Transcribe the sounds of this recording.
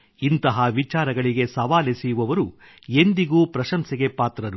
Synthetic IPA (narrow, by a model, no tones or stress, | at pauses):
int̪ɐɦɐʋit͡ʃaːɾɐɡɐɭiɡe̞sɐʋaːlesijuʋɐʋɐɾu | end̪iɡuːpɾɐʃɐmsiɡepaːt̪ɾɐɾu